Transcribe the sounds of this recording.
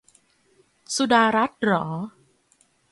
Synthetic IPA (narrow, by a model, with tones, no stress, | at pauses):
su˧˩daː˧ɾa˦˥t̪̚ɾɔː˩˦